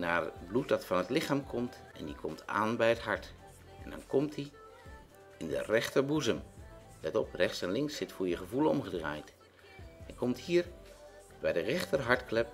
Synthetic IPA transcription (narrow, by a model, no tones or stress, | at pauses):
naːrət̚blut̚dɑtfɑnɦətlɪχaːmkʰɔmt | ʔɛ̰ndikʰɔmtʰa̰ːnbɛjətɦɑɹt | ɛndɑ̰nkɔmtdi | ɪndə̰rɛχtəɹbuzəm | nɛtɔprɛχtsɛnlɪŋksːɪtfʊːɹjəχəvuləɔ̰mχədra̰ːjt | ɛnkɔmthiːɹ | bɛjdərɛχtərɦɑɹtklɛp